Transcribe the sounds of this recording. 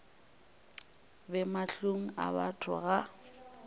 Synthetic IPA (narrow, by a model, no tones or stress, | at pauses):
bɛmaɬuŋ̩a̰ba̰tʰʊ̰ɣa